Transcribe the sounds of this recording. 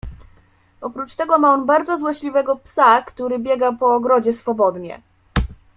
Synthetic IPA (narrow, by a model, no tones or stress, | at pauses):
ɔpɾut͡ʂt̪ɛɡɔmaɔnbaɾd̪zɔzwɔɕlʲivɛɡɔpsakt̪uɾɘbʲjɛɡapɔːɡɾɔd͡ʑɛsfɔbɔd̪ɲɛ̰